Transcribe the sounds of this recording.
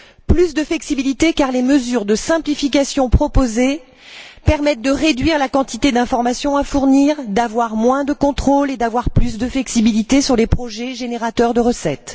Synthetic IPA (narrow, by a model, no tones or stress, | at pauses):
plys̬d̪əflɛksibilit̪ekaʁleməzyʁd̪əsɛ̃plifik̬asjɔ̃pχɔpoze | pɛʁmɛt̪̚d̪əʁed̪ɥiʁlakɑ̃t̪it̪ed̪ɛ̃fɔʁmasjɔ̃afuʁniːʁd̪avwaʁmwɛ̃d̪əkɔ̃t̪χoled̪avwaʁplys̬d̪əflɛksibilit̪esyʁlepχɔʒɛʒeneʁat̪œʁd̪əʁəsɛt̪